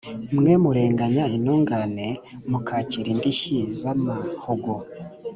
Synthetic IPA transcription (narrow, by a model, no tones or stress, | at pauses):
mŋe̞muɾe̞ːŋɡaɲainoːŋɡanemukʰaːciɾindiçizamahoɡo